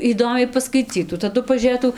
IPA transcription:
iːˈdoːmʲɛɪ pɐskɐɪˈt͡sʲiːtuː tɐˈdʊ pɐʒʲuːˈrʲeːtuː

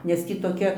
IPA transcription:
nʲɛs ˈtʲiː toːˈkʲɛ

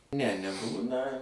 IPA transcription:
nʲɛ nʲɛˈbuːnɐ

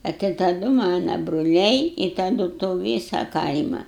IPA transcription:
ɐ tʲɪ tɐˈdʊ ˈmɑːnɐ brʊˈlʲɛɪ ɪ tɐˈdʊ toː ˈʋʲiːsɐ ˈkɐɪmɐ

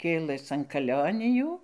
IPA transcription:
ˈkʲeːlˠəs ɐn kɐˈlʲoːnʲɪjuː

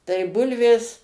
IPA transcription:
tɐɪ ˈbʊlʲʋʲeːs

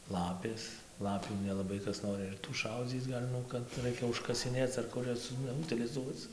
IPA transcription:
ˈlˠɑːpʲeːs ˈlˠɑːpʲuː nʲɛlˠɐˈbɐɪ ˈkɐs noːˈrʲɪ ɪr tuː ˈʃɐʊd͡zʲiːt͡s ˈɡɐlʲ ˈnʊ kɐt ˈrɐɪkʲɛ ʊʃkɐsʲɪˈnʲeːt͡s ɐr ˈkʊr jɛs nʊ ʊtʲɪlʲɪˈzuɔt͡s

